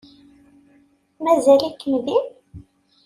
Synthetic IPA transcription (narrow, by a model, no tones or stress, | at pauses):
mæzælikːəmðin